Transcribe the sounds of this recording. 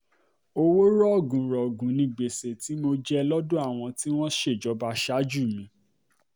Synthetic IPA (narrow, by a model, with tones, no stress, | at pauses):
o˧wo˦ɾɔ˦ɔ˦˨ɡũ˨ɾɔ˨ɡũ˨nĩ˧˨ɡ͡be˨se˨ti˨˦mo˧d͡ʒɛ˦lɔ˦dõ˦a˦˨w̃ɔ̃˧ti˦w̃ɔ̃˦ʃe˦˨d͡ʒɔ˨˦ba˧ʃa˦d͡ʒu˦˨mĩ˨˧˦